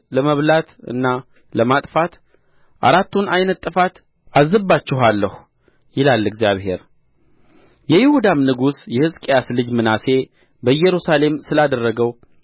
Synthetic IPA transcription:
ləməβlat̪ɨ̰nːa | ləmat̪ʼfat̪ | ʔa̰ɾat̪ːunajnət̪ʼːɨfat̪ | azːɨbːat͡ʃːɪɦalːəhu | jɪlalːɨɡzjaβhe̞̰ɾ | jɛjɪhud̪amnɨɡusjɛhɨskʼejaslɨd͡ʒmɨnase̞ | bəjːɛɾusale̞msɨlad̪ərːəɡəw

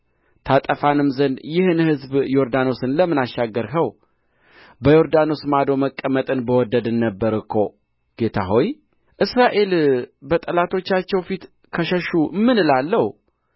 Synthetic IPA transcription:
t̪ʰat̪ʼəfanɨmzənd̪jɪhɨnhɨzbjo̞ɾd̪ano̞sɨnləmːɨnaʃːaɡːəɾhəw | bəjo̞ɾd̪ano̞smad̪o̞məkʼːəmət̪ʼɨnbəwɔd̪əd̪ɨnːəbːəɾɨkʰːo̞ | ɡ̥e̞t̪ʰa̰ɦo̞j | ʔɨsɾaʔe̞lbət̪ʼəlat̪ʰo̞t͡ʃːat͡ʃːɛwfit̪ | kʰəʃəʃumɨnɨlalːəhu

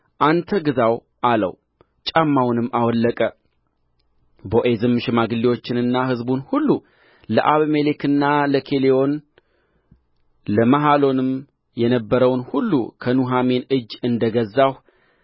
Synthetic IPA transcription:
ʔant̪ʰəɡɨzaw | ʔalə̰w | t͡ʃʼamːawnɨmːawɔlːəkʼə | boʔezɨmːɨʃɪmaɡɨlːiwo̞t͡ʃːɪnɨnːaɦɨzbunhulːu | ləʔaβmelekɨnːaləkʰe̞leo̞n | ləmaɦalo̞nɨm | jɛnəbːəɾəwnhulːṵkʰənuɦame̞nɨd͡ʒːɨnd̪əɡəzːah

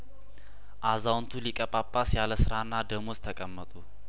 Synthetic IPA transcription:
ʔazawnt̪ʰulikʼəpʼapʼːasjaləsɨɾanːad̪əmost̪ʰəkʼəmːət̪ʼu

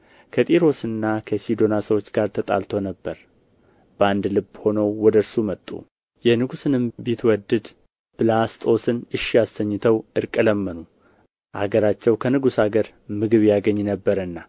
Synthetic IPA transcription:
kʰət̪ʼiɾo̞sɨnːakʰəsid̪o̞nasəwot͡ʃːɡaɾt̪ʰət̪ʼa̰lt̪ʰonəbːəɾ | bəand̪lɨbːho̞nəwːɔd̪əɾsumət̪ʼːṵ | jɛnɨɡusɨnɨmbit̪ʰwɔd̪ɨd̪ | b̥ɨlast̪ʼo̞sɨnɨʃijast̪əɲːɨt̪ʰəwʔɨɾkʼələmːənu | ʔa̰ɡəɾat͡ʃːɛwkʰənɨɡusaɡəɾ | mɨɡɨβjaɡəɲːnəbːəɾɨnːa

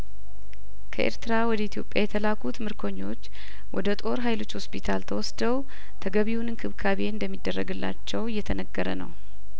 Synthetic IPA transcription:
kʰəʔḛɾt̪ʰɨɾawɔd̪əit̪ʰjo̞pʼjajɛt̪ʰəlakʰut̪mɨɾkʰo̞ɲːo̞t͡ʃː | wʔɔd̪ət̪ʼo̞ɾɦajlo̞t͡ʃːho̞spʰit̪ʰalt̪ʰəwɔsd̪əw | t̪ʰəɡəβiwunɨnkʰɨβkʰaβe̞ɨnd̪əmːid̪ːərːəɡɨlːa̰t͡ʃːɛwɨjːɛt̪ʰənəɡːəɾənə̰w

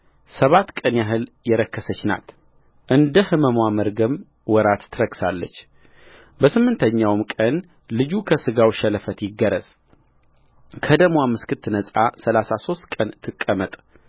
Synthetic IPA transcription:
səβat̪kʼənjaɦɨljɛɾəkːəsət͡ʃːna̰t̪ | ʔɨnd̪əhɨməmwaməɾɡəm | wɔɾat̪t̪ʰɨɾəksalːə̰t͡ʃː | bəsɨmːɨnt̪ʰəɲːawmkʼən | lɨd͡ʒukʰəsɨɡawʃɛləfət̪jɪɡːəɾəzʼ | kʰəd̪əmwamɨskɨt̪ʰːɨnəsʼasəlasaso̞st̪kʼənt̪ʰɨkʼːəmət̪ʼ

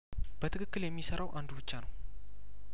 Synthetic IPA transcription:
b̥ət̪ʰɨkʰɨkːɨljɛmːisəɾʔawʔand̪ubɨt͡ʃːanəw

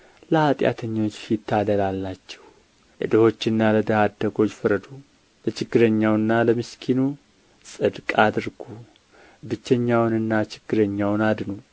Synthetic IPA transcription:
ləhat̪ʼja̰t̪ʰəɲːo̞t͡ʃːsit̪ʰːad̪əlalːat͡ʃːɛ̥w | ʔə̰d̪əho̞t͡ʃːɨnːaləd̪əhad̪ːəɡo̞t͡ʃːfɨɾəd̪u | lət͡ʃʰɪɡːɨɾəɲːawɨnːaləmɨskʰinu | sʼɨd̪kʼad̪ɨɾɡu | bɨt͡ʃːəɲːawnɨnːat͡ʃʰɪ̥ɡ̥ːɨɾəɲːawnad̪nu

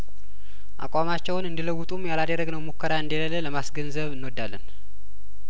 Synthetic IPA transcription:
ʔa̰kʷʼamat͡ʃːɛwnɨnd̪iləwːut̪ʼumjalad̪əɾːəɡnəwmukʰːəɾaɨnd̪elələləmasɡənzəβɨnːwod̪ːalːən

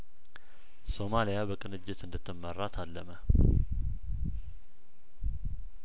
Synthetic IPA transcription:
so̞malijabəkʼɨnɨd͡ʒːɪt̪ɨnd̪ət̪ʰːəmːərːat̪ʰalːəmə

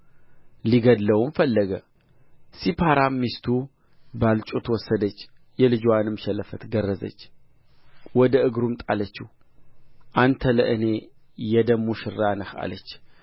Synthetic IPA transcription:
liɡəd̪ləwmfəlːəɡə | sipʰaɾamːist̪ʰu | balt͡ʃʼut̪wɔsːəd̪ət͡ʃː | jɛlɨd͡ʒwanɨmʃɛləfət̪ɡərːəzə̰t͡ʃː | wɔd̪əʔɨɡɾumt̪ʼalət͡ʃːɪ | ʔant̪ʰələʔɨne̞ | jɛd̪əmuʃɪɾːanəha̰lət͡ʃː

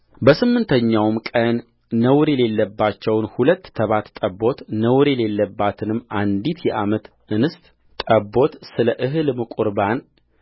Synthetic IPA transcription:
bəsɨmːɨnt̪ʰəɲːawmkʼənː | əwɾjɛle̞lːəbːat͡ʃːɛwnhulət̪ːʰəβat̪t̪ʼəbo̞t̪nəwɾjɛle̞lːəbːat̪ʰɨnɨmːand̪it̪ʰjɛʔamət̪ | ɨnɨst̪ʼ | t̪ʼəbo̞t̪sɨləʔɨɦɨlmɨkʼuɾban

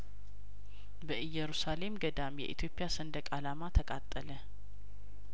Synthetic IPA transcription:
bəʔɨjːɛɾusale̞mɡəd̪amjɛ̰ʔit̪ʰjo̞pʼijasənd̪əkʼalamat̪ʰəkʼat̪ʼːələ

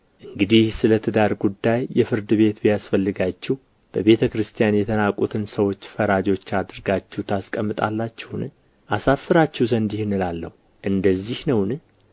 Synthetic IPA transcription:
ʔɨŋɡɨd̪ihsɨlət̪ʰɨd̪aɾɡud̪ːajːɛfɨɾd̪ɨβe̞t̪bjasfəlːɨɡat͡ʃːɛh | b̥əβe̞t̪ʰəkɾɨst̪ʰijanjɛt̪ʰənakʼut̪ʰɨnsəwo̞t͡ʃːfəɾad͡ʒo̞t͡ʃːad̪ɨɾɡat͡ʃːɛwt̪ʰaskʼəmːɨt̪ʼa̰lːat͡ʃːɛhnɨ | ʔasafːɨɾat͡ʃːɛwzənd̪ihnɨlalːəhu | ʔɨnd̪əzːihnəwnɨ

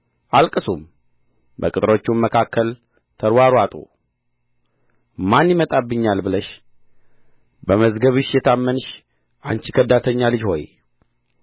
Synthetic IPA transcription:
ʔalkʼɨsum | bəkʼɨt̪ʼɾo̞t͡ʃːunməkʰakːəl | t̪ʰəɾwaɾuat̪ʼṵ | manjɪmət̪ʼabːɨɲːalbɨləʃ | bəməzɡəβɨʃjɛt̪ʰamːənɨʃ | ʔa̰nt͡ʃikʰəd̪ːat̪ʰəɲːalɨd͡ʒho̞̰j

